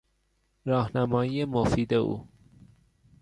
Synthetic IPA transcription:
ɾɒːhnæmɒːjiːjemofiːd̪eṵː

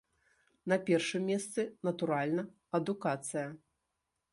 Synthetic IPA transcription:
nɐpʲɛrʂɨmʲːɛst̪sɨnɐt̪uɾalʲnɐ | ɐd̪ukat̪sɨjɐ

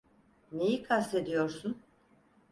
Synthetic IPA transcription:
nejikʰast̪ʰe̞d̪ijo̞ɾsun

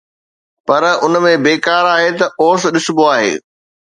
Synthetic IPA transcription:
pɐɾʊnəmẽbeːkaːɾaːɦet̪ɐʔoːsɗɪsʊboaːɦḛː

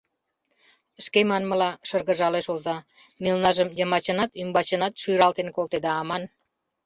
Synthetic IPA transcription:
əʃkemɑnməlɑʃərɣə̆ʒɑleʃozɑ | milnɑʒəmjəmɑt͡ɕənɑt̪ymbɑt͡ɕənɑt̪ʃyjɾɑlt̪enkolt̪ed̪ɑɑmɑn

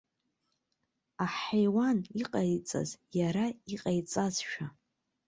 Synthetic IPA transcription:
aħajwaniqʼajt͡sʼa̰zjaɾaiqʼajt͡sʼazʃᶣa

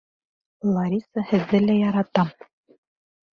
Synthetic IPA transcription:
lˠɑɾʲisəhɘ̆ðːɘlæjɑɾɑt̪ɑm

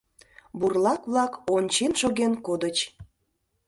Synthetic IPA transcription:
burlɑkβlˠɑkonʲt͡ɕenʃoɣenkod̪ət͡ɕ

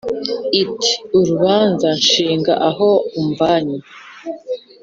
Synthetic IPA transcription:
iti̥uɾuβaːnzanʃiːŋɡa̰ʔaɦouɱvaːɲi

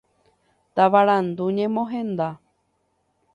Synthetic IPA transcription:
t̪aʋaɾand̪uɲẽmõɦẽ̞nd̪a

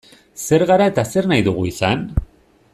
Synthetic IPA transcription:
se̞ɾɣaɾae̞t̪ase̞ɾnajðuɣ̞uisan

